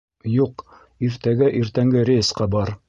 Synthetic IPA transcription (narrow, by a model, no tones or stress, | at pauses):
juq | iɾt̪æɡæʔiɾt̪æŋɡɘɾʲesqɑbɑɾ